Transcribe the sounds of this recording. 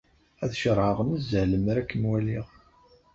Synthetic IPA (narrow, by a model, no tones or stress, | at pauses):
æθʃəɾˤʕəʁnəzəʕləmɾækːənwæliʁ